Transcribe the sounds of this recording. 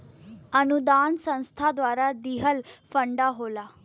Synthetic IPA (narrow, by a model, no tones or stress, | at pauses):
ənud̪ansə̃w̃st̪ʰad̪ʋaɾad̪iɦəlfəɳɖaɦola